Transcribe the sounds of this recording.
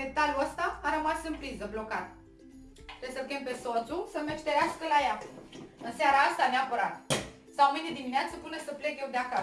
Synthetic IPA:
met̪aluəst̪aːɾəmasɨnpɾizəblo̞kat̪ | t̪ɾesəkempe̞so̞t̪susəmeʃt̪eɾeaskəlajaɨnseaɾaast̪aneapəɾat̪ | sawmɨnd̪ed̪imineat̪səpɨnəsəple̞kjewd̪eaka

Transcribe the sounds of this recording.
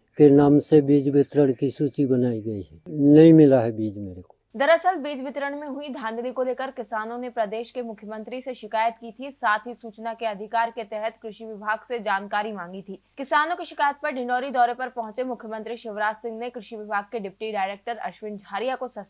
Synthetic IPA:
kenaːmsebiːd͡ʒʋɪt̪ɾəɽ̃kisuːt͡ʃibənaːiɡəiɦɛːnɐɦĩmɪlaɦɛbiːd͡ʒmeːɾeko̥ːd̪ɐɾəsəlbiːd͡ʒʋɪt̪ɾəɽ̃mẽɦʊid̪ʱãːnd̪likoleːkəɾkɪsaːnõnepɾɐd̪eːʃkemʊkʰjəmə̃nt̪ɾiseʃɪkaːjət̪kit̪ʰisaːt̪ʰɦisuːt͡ʃnakeɐd̪ʱɪkaːɾket̪ɛɦɛt̪kɾɪʃiʋɪbʱaːɡsed͡ʒaːnkaːɾimãːŋɡit̪ʰiːkɪsaːnõkiʃɪkaːjət̪̚pɐɾɖɪ̃ɳɖɔːɾid̪ɔːɾepɐɾpɐɦʊ̃t͡ʃemʊkʰjəmə̃nt̪ɾiʃɪʋɾaːd͡ʒsɪ̃ŋɡnekɾɪʃiʋɪbʱaːɡ̚keɖɪpʈiɖaːɪɾeːk̚ʈəɾɐ̰ʃʋɪ̃nd͡ʒʱaːɾijakosɐs

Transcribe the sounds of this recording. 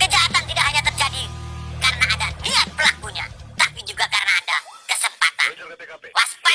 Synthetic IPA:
kəd͡ʒaɦat̪ant̪idaʔɦaɲat̪ərd͡ʒadikaɾənaːdat̪iat̪̚pəlakuɲa̰t̪apid͡ʒuɡakaɾənaːdakəsəmpa̰t̪a̰nwaspa

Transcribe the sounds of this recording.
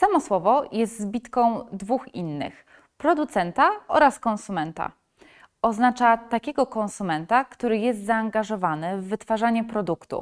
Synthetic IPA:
samɔswɔvɔjɛst̪zbʲit̪kɔ̃w̃d̪vuxḭnːɘ̰x | pɾɔd̪ut̪sɛnt̪aɔ̰ɾaskɔñsumɛnt̪a̰ | ɔznat͡ʂat̪akʲɛɡɔkɔ̃ñsumɛnt̪akt̪uɾɘjɛs̬t̪zaːŋɡaʐɔvanɘvːɘt̪faʐaɲɛpɾɔd̪ukt̪ṵ

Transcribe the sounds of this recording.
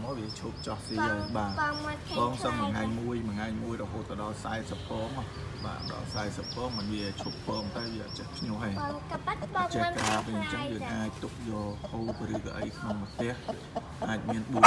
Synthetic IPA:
mɔːʋiət͡ɕʰup̚t͡ɕɑhsiəlɓaːɓɑːŋsəŋməŋaɛɲmuəjməŋaɛjmuəjrɔɦoːt̪ːɑɗɑlsaɛsəpːɔːŋ | ɓa̰ːɗɑ̰lsaɛsəpːɔːŋmɨnʋiət͡ɕʰupːɔːŋt̪aɛʋiəʔɔ̰t̪̚t͡ɕəhpʰɲŭəhə | pət͡ɕɛəkraːʋɨɲt͡ɕəŋjəːŋʔaːc̚t̪uk̚jɑːhoːp̪̚rɨːkɑ̰ʔə̰jkʰnoŋmət̪ɛ̆əh | ʔaːc̚miənɓuə

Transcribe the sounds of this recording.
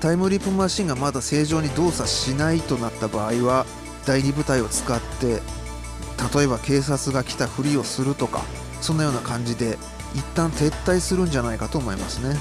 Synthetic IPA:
t̪aimɯ̟ɾʲipːɯmãɕĩŋɡamad̪ase̞ːʑo̞ːɲ̟id̪o̞ːsaɕinait̪o̞nat̪ːabaːiβa | d̪̥aiɲʲibɯ̟t̪aio̞t͡sɨ̥kat̪ːe̞ | t̪at̪o̞e̞βbake̞ːs̬at͡sɨɡakʲi̥t̪aɸɯ̟ɾʲio̞sɨɾɯ̟t̪o̞ka̰ | sõ̞nːajo̞ːnakãɲ̟d͡ʑid̪e̞ | it̪ːãnt̪e̞t̪ːaisɨɾɯ̟̃ɲ̟d͡ʑanaikat̪o̞ːmo̞ima̰sɨne̞

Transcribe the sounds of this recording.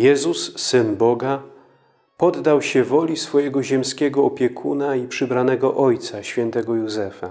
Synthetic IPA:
jɛzusːɘnbɔɡa | pɔd̪ːawɕɛvɔlʲisfɔjɛɡɔʑɛmskʲɛɡɔːpʲjɛkʰunaipʂɘbɾanɛɡɔʔɔjt̪saɕfʲjɛnt̪ɛɡɔjuzɛfa̰

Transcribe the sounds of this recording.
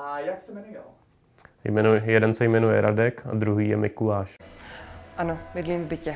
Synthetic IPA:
ajaksɛmɛnujɛl | jmɛujɛdɛnsɛjmɛnujɛɾʔadɛka̰d̪ɾuɦiːjɛmɪkulaːʃ | ʔanomɪdliːmvbɪcɛ

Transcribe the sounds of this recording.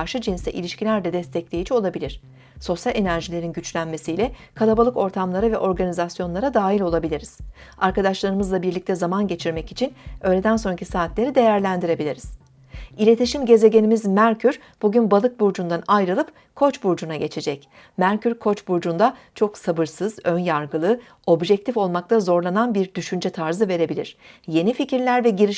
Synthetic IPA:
ɾʃɯd͡ʒinst̪ɛ̰ʔḭlʲiʃcilʲæɾd̪ɛd̪ɛst̪ʰɛclʲe̞jid͡ʒio̞lˠabilʲiɾ̝̥ | so̞sjalʲe̞næɾʒilʲe̞ɾinɟyt͡ʃlʲænme̞sijlʲɛkʰalˠabalˠɯko̞ɾt̪ʰamlˠaɾavɛʔo̞ɾɡanizasjo̞nlˠaɾad̪aːɦilʲo̞lˠabilʲiɾiz̥ | aɾkad̪aʃlˠaɾɯmɯzlˠabiɾlʲic̚t̪ʰɛzamanɟe̞t͡ʃʰiɾmɛcit͡ʃʰinø̞ːjlʲe̞d̪ænso̞nɾacʰisaːt̪lʲe̞ɾid̪e̞jæɾlʲænd̪iɾe̞bilʲiɾiz̥ | ilʲe̞t̪ʰiʃimɟe̞ze̞ɟe̞nimizmæɾcʰyɾ | b̥uɟynbalˠɯk̚buɾd͡ʒund̪anajɾɯlˠɯp | kʰo̞t͡ʃbuɾd͡ʒunaɟe̞t͡ʃʰe̞d͡ʒɛc | mæɾcʰyɾkʰo̞t͡ʃbuɾd͡ʒund̪at͡ʃʰo̞ksabɯɾsɯzø̞njaɾɡɯlˠɯ | o̞bʒɛc̚t̪ʰifo̞lˠmak̚t̪ʰazo̞ɾlˠananbiɾd̪yʃynd͡ʒɛt̪ʰaɾzɯve̞ɾe̞bilʲḭɾ̥je̞nificiɾlʲæɾvɛɟiɾiʃ

